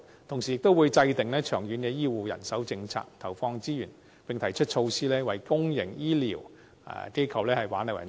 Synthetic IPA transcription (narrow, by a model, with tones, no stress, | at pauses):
t̪ʰʊ˨˩ŋsi˨jɪ˨k̚t̪o˥wuː˨˧jt͡sɐ˧jt̪ɪ˨ŋlɛː˥t͡ʃʰœː˨˩ŋjyː˨˥nkɛː˧jiː˥wuː˨jɐ̰˨˩nsɐ˨˥wt͡sɪ˧ŋt͡sʰa̰ː˧˥k̚t̪ʰɐ˨˩wfɔː˧ŋt͡siː˥jyː˨˩n | pɪ˨ŋt̪ʰɐ˨˩jt͡ʃʰɵ˥t̚t͡ʃʰo˧wsiː˥lɛː˥wɐ˨˩jkʊ˥ŋjɪ˨˩ŋjiː˥lḭː˨˩w̰ | ke˥jkʰɐ˨wlɛː˥hɐ˨jwaː˨˥nɐ˨wɐ̰˨˩